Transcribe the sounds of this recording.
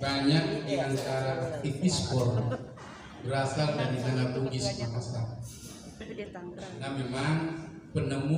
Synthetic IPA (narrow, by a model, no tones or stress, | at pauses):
baɲak̚diant̪aɾaik̪ispɔr | bəɾasaldaɾiʔanaloɡisbəɾasal | nahmemaŋ | pənəmu